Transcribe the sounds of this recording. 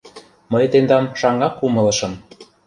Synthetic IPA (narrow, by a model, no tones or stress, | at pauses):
məjt̪end̪ɑmʃɑŋɑkumɤ̆lɤ̆ʃɤ̆m